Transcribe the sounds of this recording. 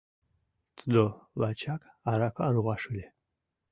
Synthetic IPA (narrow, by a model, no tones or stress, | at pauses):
t͡sʼd̪olat͡ʃʰakʰʼ | aɾakʷʰaɾʁʷaʂɨle